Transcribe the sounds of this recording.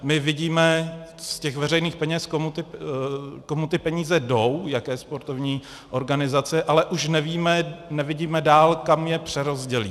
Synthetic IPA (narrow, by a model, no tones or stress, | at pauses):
mɪvɪɟiːmɛscɛxvɛrɛjniːxpɛɲɛskomut̪ɪ | komut̪ɪpɛɲiːzɛdo̞wjakɛːspo̞ɾt̪o̞vɲiː | ʔo̞ɾɡanɪzat͡sɛʔalɛʔuʃnɛviːmɛnɛvɪɟiːmɛdaːlkamjɛpr̝̥ɛɾo̞zɟɛlḭː